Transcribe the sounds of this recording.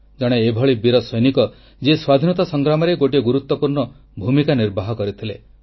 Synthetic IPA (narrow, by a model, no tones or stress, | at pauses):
d͡ʒɔɽ̃eːbʱɔɭibiɾɔsɔjnikɔ | d͡ʒeswad̪ʱinɔt̪asɔŋɡɾamɔɾeɡoʈiɡuɾut̪ːɔpuɾɳɔ | bʱumikaniɾbʱaɦɔkɔɾit̪ʰile